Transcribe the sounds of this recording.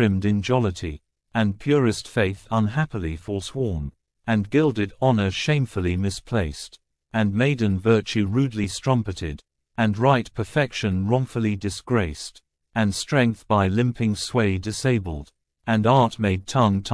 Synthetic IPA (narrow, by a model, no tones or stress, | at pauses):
ɹɪ̃mdɨ̃nd͡ʒɑlˠəɾi | ɨ̃npʰj̥ʊɹɨstfeɪθʌ̃nɦæpəl̩ˠifə˞swɔɹm | ɨ̃nɡɪlˠdɨɾɑnə˞ʃẽɪ̃ɱflˠimɨspʰl̥eɪst | ɨ̃nmeɪdⁿn̩vɜ˞t͡ʃʉɹʉdˡlistɹ̥ʌ̃mpɨɾɪ̰ɾ | ɨ̃nɹaɪt̚pʰə˞fɛkʃɨ̃nɹɔ̃ɱfl̩ˠidɨsɡ̥ɹeɪst | ɨ̃nstɹ̥ɛ̃ŋk̚θb̥aɪlɪ̃mpʰɪ̃ŋsweɪdɨseɪbəl̩ˠd | ɨ̃nɑɹt̚meɪd̚tʰʌ̃ŋtʰ